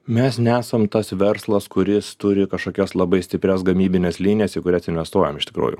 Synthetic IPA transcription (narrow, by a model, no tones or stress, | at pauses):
mʲɛsnʲɛæːsɐmt̪ɐsʋʲɛɾslˠɐskʊɾʲɪst̪ʊɾʲɪkɐʃkoːkʲɛslˠɐbɐɪsʲt̪ʲɪpʲɾʲɛsɡɐmʲiːbʲɪnʲɛslʲiːnʲɪjɛsɪkʊɾʲɛsɪnʲʋʲɛst̪uɔjɛmɪʃt̪ʲɪ̥kɾṵːjʊ̰